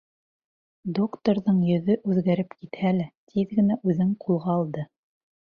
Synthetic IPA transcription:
d̪okt̪oɾðɤɴjɵ̆ðɵʔʉðɡæɾɘpkit̪hælæt̪ʰiðɡɘ̆næʔʉðɘŋqʰulˠʁɑːlˠd̪ɤ

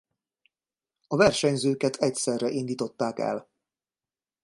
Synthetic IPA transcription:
ɒvɛrʃɛɲzøːkɛt̪ʰɛcsɛrːɛʔind̪iːt̪o̞t̪ːaːkɛ̰l

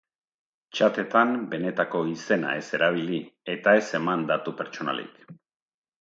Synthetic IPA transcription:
t͡ʃat̪e̞t̪ambe̞ne̞t̪ako̞ise̞na̰e̞se̞ɾaβ̞ilie̞t̪ae̞se̞mand̪at̪upe̞ɾt͡ʃo̞na̰lḭk

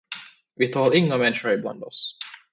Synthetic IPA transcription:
vɪt̪ʰɑːɾɪŋːamɛnːɧʊɾɪbla̰nd̪ɔs

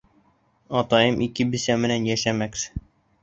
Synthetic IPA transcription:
ɒt̪ɑjɤmʔikɘbɘ̆sæmɘ̆nænjæʃæmæks

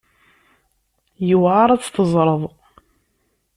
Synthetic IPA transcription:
jəwʕaɾˤæt͡sːθəzˤɾˤəðˤ

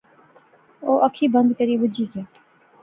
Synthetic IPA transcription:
oːʔɐkʰːiːbə̃nd̪kəɾiːbʊd͡ʒiːkeː

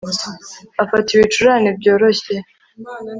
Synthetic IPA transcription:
afatiβit͡ʃuɾaːnibɟo̞ːɾo̞çe

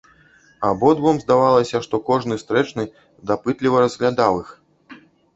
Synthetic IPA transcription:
abɔd̪vɔmzd̪avalˠɐsʲɐʂt̪ɔkɔʐnɨst̪ɾɛt͡ʂnɨ | d̪apɨt̪lʲivɐɾɐzɣlʲad̪awix

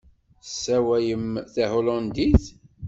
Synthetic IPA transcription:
sːæwæjəmθæɦolɑnd̪iθ

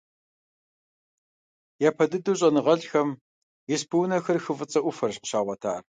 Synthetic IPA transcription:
jaːpʰɐdɨdɨwɕʼɐnɨʁɐɮxɐm | jɪspʰɨwnɐxɐrxɨvɨt͡sʼɐʔʷʊfɐrɕqə̥ɕaːʁʷɐtʰa̰ːr

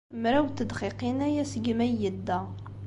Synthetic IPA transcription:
mɾæwt̪ːəd̪χiqinæjæsəɡmæjəd̪ːæ

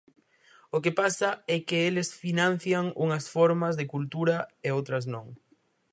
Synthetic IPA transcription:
okepasaɛkɪelɪsfinãn̟θjaŋṵŋɐsfɔɾmazðɪkult̪uɾɐeowt̪ɾɐs̬nõŋ

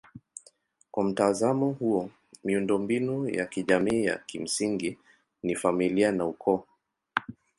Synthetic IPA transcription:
kwam̩tazamɔhuɔ | miundɔmbinuja̰kiʄamiːja̰kim̩siŋɡi | nifamilianaukʰɔ

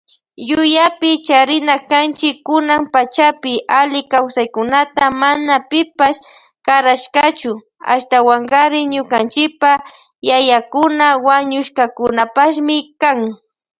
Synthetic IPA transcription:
jʊjapɪt͡ʃaɾɪnakant͡ʃɪkːʊnampat͡ʃapɪʔalɪkawsajkʊnat̪amanapɪpas | kaɾaʃkat͡ʃʊ | a̰ʃt̪awaŋɢaɾɪɲʊkant͡ʃɪpa | jajakʊnawaɲʊʃkakʊnapaʃmɪkaŋ

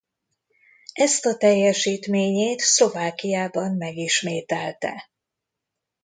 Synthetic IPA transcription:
ɛst̪ɒt̪ɛjːɛʃiːt̪meːɲeːt̪slo̞vaːkijaːbɒmːɛɡiʃmeːt̪ɛlt̪ɛ̰

